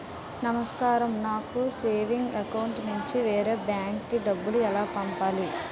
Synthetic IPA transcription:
nɐmɐskaːɾɐmnaːkuseːʋiŋɡɐkɐwuɳʈnuɲt͡ʃiʋɛːɾebjaːŋkːiɖɐbːuluɛlaːpɐmpaːli

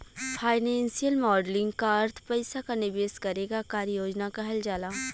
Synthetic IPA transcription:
fʰaːɪnɛ̃ːnsijəlmɔːɖlɪ̃ŋɡkaɐɾt̪ʰpɐɪsakanɪʋeːskɐɾeːɡakaːɾəjoːd͡ʒnakaɦɛld͡ʒaːlaː

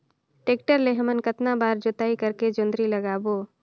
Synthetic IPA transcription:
ʈeːk̚ʈəɾleɦmənkət̪nabaːɾd͡ʒʊt̪aːikəɾked͡ʒʊ̃nd̪ɾiləɡaːboː

